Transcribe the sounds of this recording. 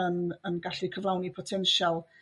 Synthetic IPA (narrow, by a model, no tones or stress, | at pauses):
ənənɡaɬikʰəvlˠawnipʰɔtʰɛnʃalˠ